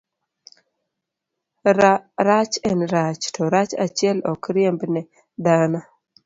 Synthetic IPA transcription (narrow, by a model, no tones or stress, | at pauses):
ɾat͡ʃɛnɾat͡ʃtʰɔɾat͡ʃat͡ʃɪɛlɔkɾiembnɛ | d̪ana